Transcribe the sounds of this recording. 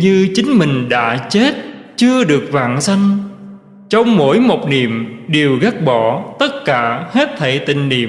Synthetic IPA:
ɲɨ˧t͡ɕï˨˦ŋ̟mï˨˩ŋ̟ɗa̰ː˧˥t͡ɕe˦˥t̚t͡ɕɨ˧əɗɨ˨˩ək̚va̰ː˧˨nsa˧jŋ̟ | t͡ɕɔ˧wŋ͡mmo̰˧˥jmo˨˩k͡p̚ni˨˧˨əmɗe˨˩əwɣə˦˥k̚ɓɔ˧˩t̪ə˦˥t̚kaː˧˩he˦˥t̚t̪ʰə˧˩jt̪ï˨˩ŋ̟nḭ˨˧˨əm

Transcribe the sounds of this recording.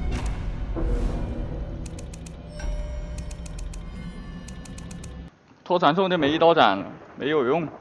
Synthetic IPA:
t̪ʰɔ˥t͡sʰwa˧˥nsʰʊ˥˩ŋt̪me˧˥ɪi˥˩ɑ˥ʊʈ͡ʂa̰˨˩˦nme˧˥ɪjo˨˩ʊjʊ˥˩ŋ

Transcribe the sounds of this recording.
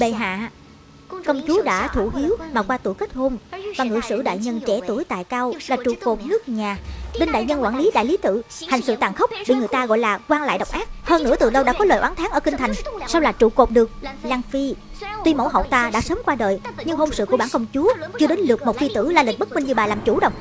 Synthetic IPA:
ɓe˨˩ɦa̰ː˧˨ | kə˧wŋ͡mt͡ɕu˨˦əɗa̰ː˧˥t̪ʰu˧˩hi˨˦əwmaː˨˩kwaː˧t̪u˧˩kə˦˥t̚ho˧mvaː˨˩ŋɨ̰˨˧˩əsɨ̰˧˥ɗa̰ː˧˨jɲə˧nt͡ɕɛ˧˩t̪u˧˩əjt̪a̰ː˧˨jkaː˧wlaː˨˩t͡ɕṵ˧˨˩ko˨˩p̚nɨ˦˥ək̚ɲaː˨˩ɗe˧nɗa̰ː˧˨jɲə˧nkwaː˧˩nli˨˦ɗa̰ː˧˨jli˨˦t̪ɨ̰˧˨ha˨˩jŋ̟sɨ̰˧˨t̪aː˨˩ŋxə˦˥wk͡p̚ɓḭ˧˨ŋɨ˨˩əjt̪aː˧ɣɔ̰˧˨jlaː˨˩kwaː˧nla̰ː˧˨jɗə̰˨˩wk͡pʔaː˦˥k̚həː˧˩nɨ̰˧˥ət̪ɨ˨˩ɗə˧wɗa̰ː˧˥kɔ˨˦ləː˨˩jʔaː˨˦nt̪ʰːŋʔəː˧˩kï˧ŋ̟t̪ʰa˨˩jŋ̟sa˧wlaː˨˩t͡ɕṵ˧˨˩ko˨˩p̚ɗɨ˨˩ək̚laː˧ŋfi˧ | t̪wi˧mo̰˧˥wɦə̰˧˨wt̪aː˧ɗa̰ː˧˥səː˨˦mkwaː˧ɗəː˨˩jɲɨ˧ŋɦo˧msɨ̰˧˨kəɓaː˧˩nkə˧wŋ͡mt͡ɕu˨˦ət͡ɕɨ˧əɗe˨˦nlɨ˨˩ək̚mo˨˩t̚fi˧t̪ɨ̰˧˩laː˨˩lï˨˩k̟̚ɓə˦˥t̚mï˧ŋ̟ɲɨ˧ɓaː˨˩laː˨˩mt͡ɕu˧˩ɗə̰˨ŋ͡m

